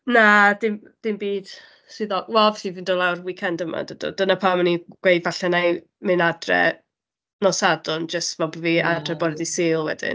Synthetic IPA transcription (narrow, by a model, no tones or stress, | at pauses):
nad̥ɪm | d̥ɪmbiːd̥ | sɨðɔwɛlˠvɛθivindɔlˠawrwikʰɛndəma̰dəd̥ɔ̰dənapʰamaniɡ̥wejvaɬɛnaj | mɨnadrɛ̰ | nɔsadʊnd͡ʒəstvɛlˠbviadrɛbɔdɛdisɪːlˠwɛ̰d̥ɪ̰n